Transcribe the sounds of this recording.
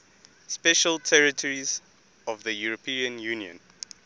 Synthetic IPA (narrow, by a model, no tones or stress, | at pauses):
spɛʃəltʰɛɹitʰɔɹiz | ɔvðəjuɹɔpʰĩə̃njuniɔ̰̃n